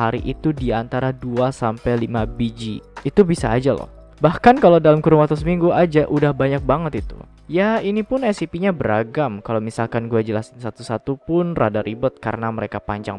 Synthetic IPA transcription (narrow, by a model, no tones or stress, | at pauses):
aɾiʔit̪udiant̪aɾaduasampɛjlimabid͡ʒiit̪ubisaːd͡ʒalɔ̰h | bahkankalawdalamkuɾumat̪ɔs̬miŋɡuʔad͡ʒaʔudahbaɲak̚baŋət̪it̪ṵ | jainipʊnɛsipiɲabəɾaɡamkalowmisalkanɡuad͡ʒəlasnsat̪usat̪upʊnra̰daɾibət̪̚kaɾənaməɾekapaɲd͡ʒa̰ŋ